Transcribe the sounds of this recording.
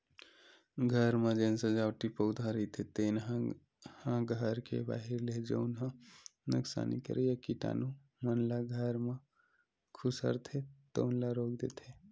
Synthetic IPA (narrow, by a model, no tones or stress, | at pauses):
ɡʱəɾmãd͡ʒeːnsə̃d͡ʒaːwʈipəʊd̪ʱãɾit̪ʰet̪eːn | hãɡʱəɾkḛba̰ːɦiɾled͡ʒə̰ʊnɦãnṵksa̰ːnḭkə̰ɾʔejəkiʈa̰ːnu | mənlaɡʱəɾmã | kʰʊsə̰ɾt̪ʰet̪o̰ʊnlaɾoːk̚d̪ḛːt̪ʰe